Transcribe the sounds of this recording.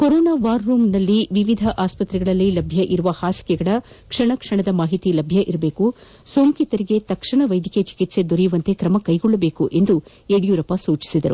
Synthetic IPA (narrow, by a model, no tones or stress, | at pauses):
koɾɔːnaːʋaːɾːuːmnɐlːiʋiʋid̪ʱɐʔaːspɐt̪ɾiɡɐɭɐlːilɐbʱjɐʔiɾuʋɐhaːsi̥kɛɡɐɭɐ | kʂɐɳɐkʂɐɳɐd̪ɐmaːɦit̪ilɐbʱjɐʔiɾɐbe̞ːku | soːŋkit̪ɐɾiɡe̞t̪ɐkʂɐɳɐʋɐjd̪ʱiket͡ʃi̥kit̪se̞d̪ɔɾijuʋɐnt̪e̞kɾɐmɐkɐjɡɔɭːɐbe̞ːkuʔe̞nd̪u | eːɽijuːɾɐpɐsuːt͡ʃi̥sid̪ɐɾṵ